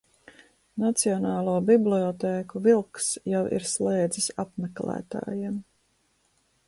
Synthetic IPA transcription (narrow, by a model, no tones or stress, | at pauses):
nat̪siɔnaːlˠuːbibliɔt̪eːkuvilˠksjawḭɾslˠeːd̪zisapmɛklæ̰ːt̪a̰ːjim